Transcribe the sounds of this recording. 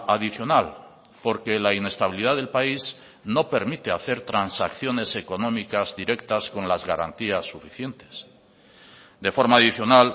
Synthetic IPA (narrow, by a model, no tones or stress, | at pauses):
aðiθjo̞nal | po̞ɾke̞laine̞st̪aβiliðaðelpais | no̞pe̞ɾmit̪e̞aθe̞ɾt̪ɾansakθjo̞ne̞se̞ko̞nõ̞mikazðiɾe̞kt̪askonlazɣaɾa̰nt̪iasːufiθje̞nt̪e̥s | d̪e̞fo̞ɾmaːðiθjo̞nal